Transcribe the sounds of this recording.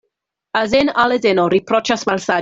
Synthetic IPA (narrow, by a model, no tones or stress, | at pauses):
azɛnalˠɛdɛnɔɾipʰrɔt͡ʃasmalsa